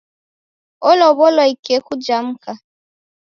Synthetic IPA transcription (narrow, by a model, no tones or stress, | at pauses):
ɔlɔβɔlɔikekud͡ʒam̩ka